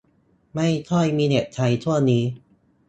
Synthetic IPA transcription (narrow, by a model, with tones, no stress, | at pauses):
ma˥˩jkʰɔ˥˩jmiː˧nɛ˨˩t̪̚t͡ɕʰa˧jt͡ɕʰu˥˩ɐniː˦˥